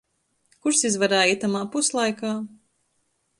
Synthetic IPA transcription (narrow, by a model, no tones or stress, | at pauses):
kuɾsizvaɾaːit̪amaːpuslˠajkaː